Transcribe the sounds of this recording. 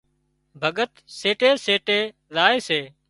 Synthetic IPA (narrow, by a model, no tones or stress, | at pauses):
bʱəɠət̪seːʈeːseːʈeː | laːeːseː